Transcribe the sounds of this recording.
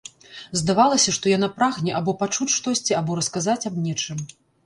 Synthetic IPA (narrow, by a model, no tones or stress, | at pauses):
zd̪avalˠɐsʲɐʂt̪ɔjanapɾaɣnʲɛʔabɔpat͡ʂut͡sʲʂt̪ɔsʲt͡sʲiabɔɾɐskazat͡sʲabnʲɛt͡ʂɨm